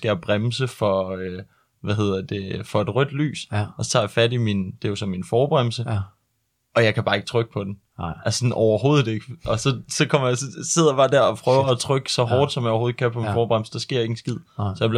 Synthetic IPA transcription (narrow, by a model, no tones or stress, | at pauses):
sɡ̥æjab̥ʁamsəfɒ̽ø | ʋæɦe̝ð̰ˠɐd̥e̝fɒ̽e̝d̥ʁœd̥ly̰ːsɒ̽sɒ̥t͡sʰɑ̰̈ːjäfædimind̥e̝josɒ̽mːinfɒːb̥ʁamlsə | ʔɒ̽jɑ̈ɪkʰæb̥ɑ̈ːe̝ɡ̥ə̥t͡sʰʁœɡ̥ə̥pʰɒ̽d̥en | ʔæssɒnʔɒʊɐɦo̝ːð̞̩ˠe̝ɡ̥əʔɒ̽sɒ̽sɒ̽kʰɒ̽m̰ɐjasɒse̝ð̰ˠɐb̥ɑ̈ːd̥æɐ̰ɒpʰʁœʊɐːt͡sʰʁœɡ̥əsɒ̽ɦɒːd̥sɒ̽mjɑjoho̝ð̩ˠkʰæpʰɒ̽minfɒːb̥ʁam̰lsəd̥ɑ̈sɡ̥e̝ɐ̰e̝ŋn̩sɡ̥ið̞̰ˠsɒjɑ̈bl